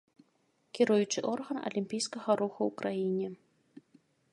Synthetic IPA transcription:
kʲiɾujut͡ʂɨʔɔrɣɐnɐ̰lʲimʲpʲijskɐɣɐɾuxuwkɾajinʲɛ

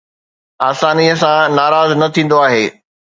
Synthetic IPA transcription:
aːsaːniəsãnaːɾaːznɐt̪ʰĩːn̆d̪oaːɦeː

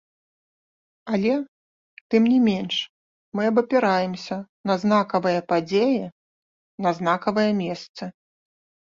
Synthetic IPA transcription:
ɐlʲɛ | t̪ɨmnʲimʲenʂ | mɨɐbɐpʲɛɾajɛmsʲɐ | nɐznakɐvɐjɐpad͡zʲejɛ | nɐznakɐvɐjɐmʲɛst̪sɐ

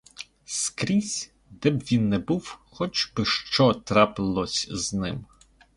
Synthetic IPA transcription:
skɾʲisʲ | d̪ɛbʋʲinːɛbuwxɔt͡ʃbɪʃt͡ʃɔt̪ɾɑpɪlˠɔsʲznɪm

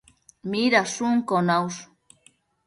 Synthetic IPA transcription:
miɾasuŋkonaws

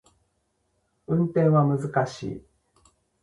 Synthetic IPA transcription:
ɯ̟̃nt̪ẽ̞ɰ̃βamɯ̟zɨkaɕḭː

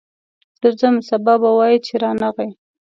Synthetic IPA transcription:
zəɾzəmsababawɑjit͡ʃeɾɑnaɣaj

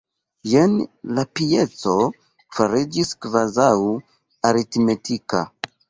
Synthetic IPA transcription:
jenlapijet͡so | faɾid͡ʒiskvazaw | aɾitmetʰika̰

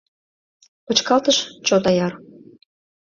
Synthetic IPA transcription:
pɤ̆t͡ɕkɑlt̪əʃt͡ɕod̪ɑjɑr

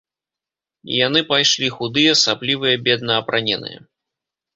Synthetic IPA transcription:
ḭjanɨpajʂlʲixud̪ɨjɐsablʲivɨjɐbʲɛd̪̚nɐːpɾʔanʲɛnɨ̰jɐ̰

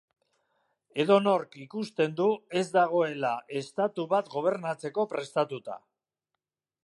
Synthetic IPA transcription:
e̞ðo̞no̞ɾkikust̪e̞nd̪ue̞zd̪aɣ̞o̞e̞laʔe̞st̪at̪uβat̪ɡo̞β̞e̞ɾnat͡se̞ko̞pɾe̞st̪at̪ut̪a̰

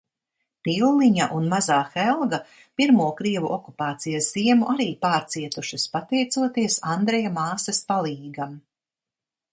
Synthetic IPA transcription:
piwliɲaʔunmazaːxɛlˠɡɐ | piɾmuɔkɾiɛvuʔɔkupaːt̪sijasz̥iɛmuʔaɾiːpaːɾt̪siɛt̪uʃɐspat̪ɛjt̪suɔt̪iɛsand̪ɾɛjamaːsɐspalˠiːɡam

